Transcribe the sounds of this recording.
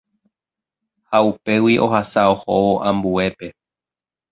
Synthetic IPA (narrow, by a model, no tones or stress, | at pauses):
haupe̞wiʔo̞hasaohowoʔãmbue̞pe̞